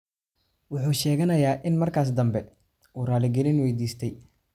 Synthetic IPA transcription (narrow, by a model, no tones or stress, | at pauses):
wʊħuːʃɛːɣɐnɐjaːʔɪnmɐrkʰaːs̬d̪ɐmbɛ | uːraːlɪɡɛlɪnwɛjd̪iːst̪ʰɛj